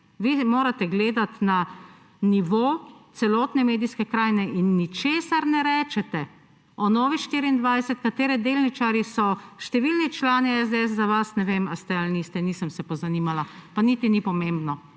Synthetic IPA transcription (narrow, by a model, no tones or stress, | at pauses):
ʋiːmoːɾat̪ɛɡleːd̪at̪na | niʋot̪sɛlɔːt̪nɛmeːd̪iskɛkɾaːjnɛʔinːit͡ʃeːsaɾnɛɾɛːt͡ʃɛt̪ɛ | ɔnɔːʋixʃt̪iːɾiːnd̪ʋajsɛt̪kat̪eːɾɛd̪eːlnit͡ʃaɾjisɔʃt̪ɛʋilnit͡ʃlaːniɛz̬d̪eɛs̬zaʋasnɛʋemast̪ɛalnist̪ɛniːsəmsɛpɔzaniːmalapanit̪inipɔmembnɔ